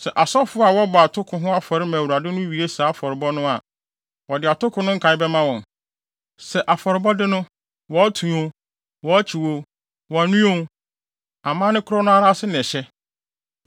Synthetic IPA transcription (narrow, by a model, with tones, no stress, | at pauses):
sɛ˨ʔa˨sɔ˦fʊ˦a˨wɔ˦bɔ˨a˨tʰʊ˦kʰʊ̃˨ɦʊ̃˦a˦fɔ˨ɾɪ˦mã˨wu˨a˨dɪ˦nʊ̃˦ɥi˨e˦saː˨˦a˦˨fɔ˨ɾɪ˨bɔ˦nʊ̃˦a˨ | wɔ˨dɪ˨a˨tʰʊ˦kʰʊ̃˦nʊ̃˦ŋ̩˦kʰã˨˦ɪ˦bɛ˦mã˦wɔ̃˨n | sɛ˨ʔa˨fɔ˨ɾɪ˨bɔ˦dɪ˦nʊ̃˦ | wɔ˨a˦tʰũ˨õ˨ | wɔ˨˦t͡ɕʰi˨wo˨ | wɔ˨a˨nũ˦õ˦ | a˨mãː˦nɪ̃˦kʰʊ˦ɾɔ˦nʊ̃˦a˦ɾa˦sɪ˦nɛ̃˨ɕɛ˦